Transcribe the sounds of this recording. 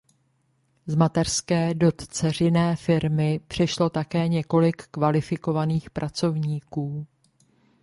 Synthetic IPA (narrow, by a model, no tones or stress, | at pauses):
zmat̪ɛr̥skɛːdo̞t̪t͡sɛr̝ɪnɛːfɪɾmɪpr̝̥ɛʃlo̞t̪akɛːɲɛko̞lɪkːvalɪfɪko̞vaniːxpɾʔat͡so̞vɲiːkuː